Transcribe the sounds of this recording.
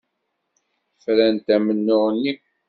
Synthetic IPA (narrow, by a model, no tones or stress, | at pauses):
fɾænt̪æmənːʊʁənːi